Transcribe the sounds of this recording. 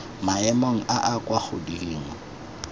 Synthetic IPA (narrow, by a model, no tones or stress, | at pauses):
maɛmoŋ̩ʔaʔakʼwaχʰʊdiiːŋ̩